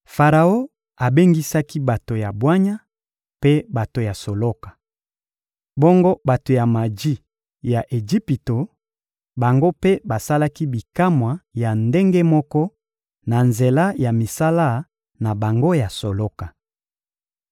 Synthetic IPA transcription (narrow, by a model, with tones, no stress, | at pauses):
fa˨ʁa˨o˦ | a˨be˦ŋɡi˦sa˦ki˦ba˨to˨ja˨bwa˦ɲa˦ | pe˦ba˨to˨ja˨so˨lo˦kḁ˨ | bɔ˦ŋɡo˦ba˨to˨ja˨ma˨d͡ʒi˦ | ja˨ʔe˨d͡ʒi˦pi˨to˨ | ba˨ŋɡo˦pe˦ba˨sa˦la˦ki˦bi˨ka˦mwa˨ja˨nde˦ŋɡe˦mɔ˦kɔ˦ | na˨nze˨la˦ja˨mi˨sa˦la˦˨ | na˨ba˨ŋɡo˦ja˨so˨lo˦ka˨